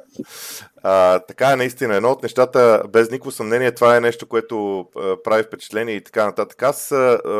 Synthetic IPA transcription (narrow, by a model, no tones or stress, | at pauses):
ət̪ɐkaɛnɐist̪inəɛd̪nɔot̪nɛʃt̪at̪əbɛznikovosɐmnɛniɛt̪ovaɛnɛʃt̪okoɛt̪oəpɾavifpɛt͡ʃɛ̥t̪lɛniɛit̪ɐ̥kanɐt̪at̪ə̥kasə